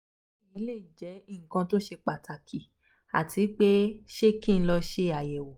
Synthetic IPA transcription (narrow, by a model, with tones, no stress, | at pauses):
i˨˦le˦˨d͡ʒɛ˨˦i˦˨ŋ̩˨kã˧to˦ʃe˧k͡pa˨ta˨kʰi˨ | a̰˨tʰi˨˦k͡pe˦ʃe˦kĩ˦˨n̩˧˦lɔ˧ʃe˧a˨jɛ˨wo˨